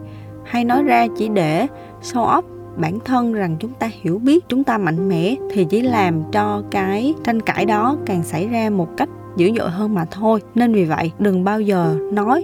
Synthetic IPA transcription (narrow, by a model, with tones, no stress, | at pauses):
ha˧jnɔ˨˦jzaː˧t͡ɕḭ˧˩ɗe˧˩ | so˧wʔɔ˦˥wp̚ | ɓaː˧˩nt̪ʰə˧nza˨˩ŋt͡ɕʊ˨˦ŋ͡mt̪aː˧hi˧˩əwɓi˦˥ət̚t͡ɕʊ˨˦ŋ͡mt̪aː˧ma̰˧˨jŋ̟mɛ̰˧˥t̪ʰi˨˩t͡ɕḭ˧˥laː˨˩mt͡ɕɔ˧kaː˨˦jt͡ɕa˧jŋ̟ka̰ː˧˩jɗɔ˨˦kaː˨˩ŋsa˧˩jzaː˧mo˨˩t̚ka˦˥jk̟̚zɨ̰˧˥zo̰˧˨jɦəː˧nmaː˨˩t̪ʰo˧jne˧nvi˨˩və̰˧˨jʔɗɨ˨˩ŋɓaː˧wzəː˨˩nɔ˨˦j